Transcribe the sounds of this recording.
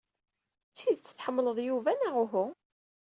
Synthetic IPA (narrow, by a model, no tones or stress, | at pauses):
t͡sːiðt͡sːə̥θħəmːləðˤjuvænaʁʊɦu